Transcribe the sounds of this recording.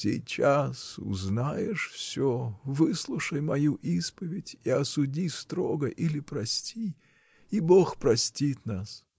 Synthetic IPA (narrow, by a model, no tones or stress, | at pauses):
sʲɪ̰jt͡ɕasʊ̰znajɪʂfsʲovɨslˠʊʂəjmɐjuʔispəvʲɪtʲiɐsʊdʲist̪ɾoɡəʔilʲɪpɾɐsʲtʲi | iboxpɾɐsʲtʲit̪nas